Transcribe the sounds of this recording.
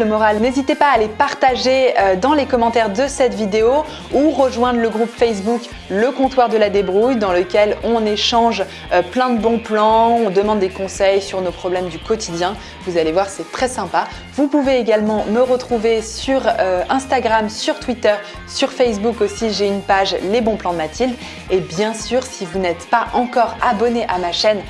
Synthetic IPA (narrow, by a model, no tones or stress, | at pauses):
əmɔʁalnezit̪epaːlepaʁt̪aʒeød̪ɑ̃lekɔmɑ̃t̪ɛʁd̪əsɛt̪vid̪eo | uʁəʒwɛ̃d̪ʁləɡʁupfɛs̬buk | ləkɔ̃t̪waʁd̪əlad̪ebʁujd̪ɑ̃ləkʲɛlɔ̃neʃɑ̃ʒ | øplɛ̃d̪əbɔ̃plɑ̃ɔ̃d̪əmɑ̃d̪ːekɔ̃sɛjsyʁnopχɔblɛmd̪ykɔt̪id̪jɛ̃ | vuzalevwaʁsɛt̪χɛsɛ̃pa | vupuveːɡʲalmɑ̃məʁət̪χuvesyʁøɛ̃st̪aɡʁamsyʁt̪wit̪œʁ | syʁfɛs̬bukosiʒeynpaʒlebɔ̃plɑ̃d̪əmat̪ʰild̪ | ebjɛ̃syʁsivunɛt̪paʔɑ̃kɔʁabɔneʔamaʃɛn